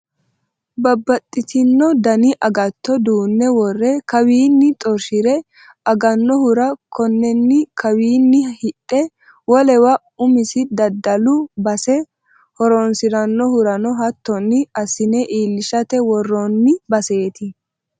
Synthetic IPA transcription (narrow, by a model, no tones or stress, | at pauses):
bɐbːɐt̪ʼːɪt̪ɪnːɔd̪ɐnɪʔɐɡɐt̪ːɔd̪uːnːɛwɔrːɛkɐwiːnːɪt̪ʼɔɾʃɪɾɛ | ɐɡɐnːɔhʊɾɐkʰɔnːɛnːɪkʰɐwiːnːɪhɪtʼːɛ | wɔlɛwɐ | ʊmɪsɪd̪ɐd̪ːɐlʊbɐsɛ | hɔɾɔnsɪɾɐnːɔhʊɾɐnɔɦɐt̪ːɔnːɪɐsɪnɛʔiːlːɪʃɐt̪ɛwɔrːɔnːɪbɐse̞ːt̪ɪ